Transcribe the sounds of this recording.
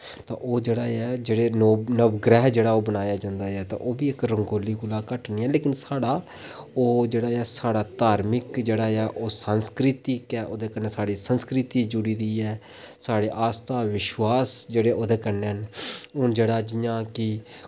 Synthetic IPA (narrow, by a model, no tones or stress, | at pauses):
t̪ã̰ːʔoːd͡ʒeːɽaːɛːd͡ʒeːɽeːnoːnəbɡɾɛːɦd͡ʒeːɽaːoːbənaːjaːd͡ʒãːnd̪aːɛːt̪ã̰ːʔoːbiːɪkɾəŋɡoːliːkʊlaːkəʈnĩːɛːleːkɪnsaːɽaː | oːd͡ʒeːɽaːɛːsaːɽaːt̪aːɾmɪkd͡ʒeːɽaːɛːʔoːsənskɾɪt̪iːkɛːʔoːd̪eːkəɾneːsaːɽiːsənskɾɪt̪iːd͡ʒʊɽiːd̪iːɛː | saːɽeːʔaːst̪aːʋɪʃwaːsd͡ʒeːɽeːoːd̪eːkəɾneːənʊd͡ʒeːɽaːd͡ʒɪjãːkɪ